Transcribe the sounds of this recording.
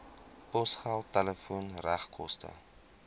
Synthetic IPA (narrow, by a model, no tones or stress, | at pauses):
pɔsχaːlˠtɛləfuənræχkʰɔstə̰